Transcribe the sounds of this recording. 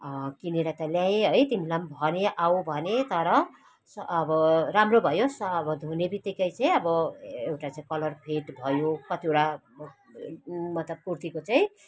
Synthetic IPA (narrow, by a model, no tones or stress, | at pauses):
kineɾʌt̪ʌljãẽɦʌjt̪imilambʱʌneʔaw̃bʱʌnet̪ʌɾʌ | sːbʌramrobʱʌjosːbʌd̪ʱunebit̪ikʌjt͡saĩʌbʌewʈat͡saĩkʌlʌrpʰeʈbʱʌjokʌt̪iewʈa | mʌt̪lʌb̚kurt̪ikot͡saĩ